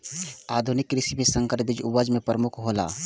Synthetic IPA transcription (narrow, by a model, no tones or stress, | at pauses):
aːd̪ʱunɪkːɾɪsimẽsə̃ŋkəɾbɪd͡ʒʊwəd͡ʒmẽpɾəmʊkʰɦoːla̰ː